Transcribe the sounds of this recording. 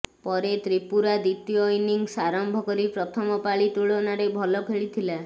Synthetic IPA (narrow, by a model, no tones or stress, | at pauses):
pɔɾet̪ɾipuɾad̪it̪jɔjniŋsaɾɔmbʱɔkɔɾipɾɔt̪ʰɔmɔpaɭit̪uɭɔnaɾebʱɔlɔpʰeɭit̪ʰila